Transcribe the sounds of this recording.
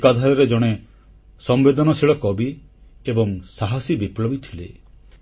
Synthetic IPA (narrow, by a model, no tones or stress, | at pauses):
kad̪ʱaɾɔɾed͡ʒɔɽ̃e | sɔmbed̪ʱɔnɔsiɭɔkɔbi | ebɔŋsaɦasibiplɔbit̪ʰile